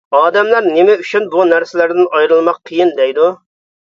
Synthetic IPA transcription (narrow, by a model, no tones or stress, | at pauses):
ɑːd̪ɛmlæɾnɪmɛyt͡ʃʰynbunæɾsɪlæɾd̪ɪnɑjɾɨlˠmɑqʰːəjind̪ɛjd̪u